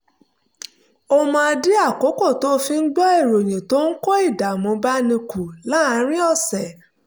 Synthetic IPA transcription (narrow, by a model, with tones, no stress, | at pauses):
o˧mã˧di˦a˦˨ko˨˦ko˦˨to˨˦˧fi˧n̩˦ɡ͡bɔ˦e˦˨ɾo˨j̃ĩ˨to˦n̩˦ko˦i˦˨da˨mõ˨˧ba˦nĩ˧ku˨la˨˦a˨˧˨ɾ̃ĩ˦ɔ˦˨sɛ˨